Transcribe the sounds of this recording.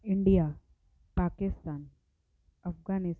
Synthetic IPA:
iɳɖija | pakist̪aːn | əfɡanis

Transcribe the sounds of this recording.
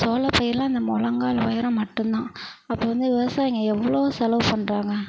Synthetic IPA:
soːlɐpɐjɪɾlãːɪnd̪ɐmɔlɐŋɡaːlʋɐjɐɾɐ̃mɐʈːɯnd̪ãː | ɐpːoːʋɐnd̪ɯʋɪʋɐsaːjɪŋɡɐɛʋːɐɭoːsɛlɐʋpɐɳːɾaːŋɡɐ

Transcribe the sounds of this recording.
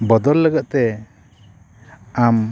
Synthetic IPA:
bɔd̪ɔlːəɡəʔ̪̚t̪ɛ | am

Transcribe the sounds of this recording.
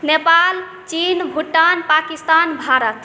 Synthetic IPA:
nepal | t͡ʃinbʱuʈːanpakist̪anbʱaɾət̪

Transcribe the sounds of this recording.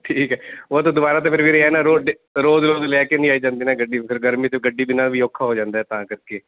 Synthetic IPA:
ʈʰiːkɦɛːoat̪õd̪ʊbaːɾaːt̪̬ãːpʰɪɾʋeːɾeɛːnaːɾoːɖ | ɾoːzɾoːzleaːkenĩːaːiːd͡ʒãːnd̪iːnaːɡəɖiːpʰɪɾɡəɾmiːt̪eɡəɖiːbɪnãːʋiːoːkʰːaːɦoːd͡ʒãːnd̪aːɦɛːt̪ãːkəɾkeː

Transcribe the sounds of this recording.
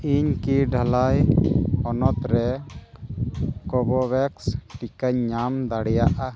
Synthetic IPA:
iɲkiɖʱalajɔnɔt̪ɾɛ | kɔbɔwɛksʈikəɲːamd̪aɽɛjaʔa

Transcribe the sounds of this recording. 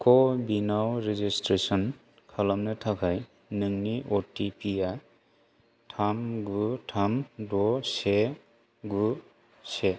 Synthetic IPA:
kʰɔbinawɾizistɾesɔn | kʰalɔmnɯtʰakʰaj | nɯŋniʔɔtipʰija | tʰamɡutʰamdɔse | ɡu | se

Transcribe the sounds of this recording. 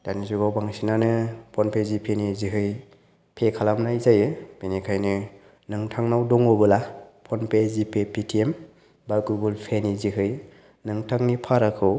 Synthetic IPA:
danizuɡawbaŋsinanɯpʰɔnpʰezipʰeniziɦɯj | pʰekʰalamnajzajɯb̥enikʰajnɯ | nɯŋtʰaŋnawdɔŋɔbɯlapʰɔnpʰezipʰepʰitʰiem | baɡuɡulpʰeniziɦɯj | nɯŋtʰaŋnipʰaɾakʰɯw

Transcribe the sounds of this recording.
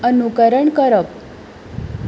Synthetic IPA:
ənukəɾəɳkəɾəp

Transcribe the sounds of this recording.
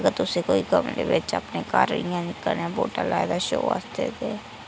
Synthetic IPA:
əɡəɾt̪ʊsekoːikəmlḛʋɪt͡ʃəpnekaːɾɾijãnɪkəlnãboːʈalaːjd̪aʃoːa̰st̪ḛːt̪eː

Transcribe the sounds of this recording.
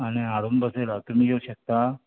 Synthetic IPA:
añeaɽombəselat̪um̤iːjeuɕək̚t̪a

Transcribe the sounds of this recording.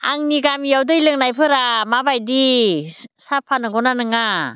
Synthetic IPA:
a̰ŋniɡamijawdɯjlɯŋnajpʰɯɾamabajdi | sapʰanɯɡɔnanɯŋa

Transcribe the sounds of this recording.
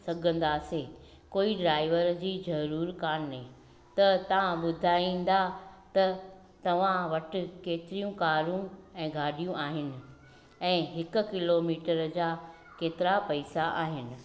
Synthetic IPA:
sɐɡʱə̃nd̪ase | koːiɖɾaːɪʋəɾd͡ʑiːzɐɾuːɾkaːnnɦe | t̪ɐt̪ɐʋ̤ãɓʊd̪ʱaːĩːn̆d̪at̪ɐ | t̪ɐʋ̤ãʋɐʈɪ̆keːt̪ɪɾijũkaːɾũɛ̃ːɡʱaːɗijũʔaːɦɪnɪ̆ | ɛ̃ːɦɪkʊ̆kɪloːmiːʈəɾd͡ʑaː | keːt̪ɪɾapɐɪsaʔaːɦɪnɪ̆

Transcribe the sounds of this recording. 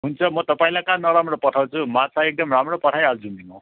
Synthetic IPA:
ɦunt͡sʰʌmʌt̪ʌpaĩlakanʌɾamrɔpɔʈʰaw̃t͡sʰumat̪ʰaek̚d̪ʌmɾamrɔpʌʈʰajald͡zund̪inu

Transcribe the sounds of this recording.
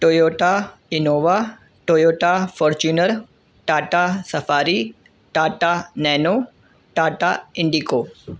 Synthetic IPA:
ʈoːjoːʈaɪnoːʋa | ʈoːjoːʈafɔːɾt͡ʃuːnəɾ | ʈaːʈasɐfaːɾi | ʈaːʈanɛːnoː | ʈaːʈaɪ̃ɳɖikoː

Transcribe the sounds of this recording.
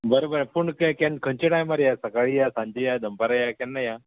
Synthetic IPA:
bəɾobəɾpuɳkekenkʰə̃ɲt͡ɕiʈajmaɾjasɐkaɭijasãɲd͡ʑijad̪ʱəmpaɾajakenːaja

